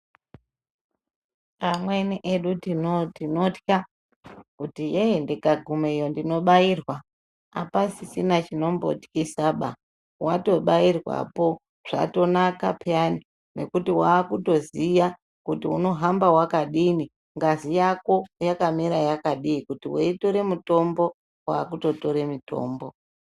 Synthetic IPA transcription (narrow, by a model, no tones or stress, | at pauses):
pamwe̞niʔeɗutinotinotka | kutijeendekaɡʱume̞jondino̞ɓairwa | a̰pasisinat͡ʃino̞mbo̰ti̥kisaɓa | wato̞ɓairwa̰po̞ | ʐ̥a̰to̞naka̰pjani | ne̞̰kutiwaːkuto̞zija | kutiuno̞ɦambawakaɗini | ŋɡazijako̞jakamiɾajakaɗiːkutiweitoɾe̞muto̞mbo̞ | wa̰ːkuto̞to̞ɾe̞mito̞̰ːmbo̞